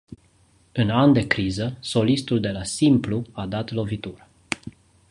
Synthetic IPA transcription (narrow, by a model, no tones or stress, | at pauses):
ɨnand̪e̞kɾizəso̞list̪uld̪e̞lasimpluad̪at̪lo̞vit̪urə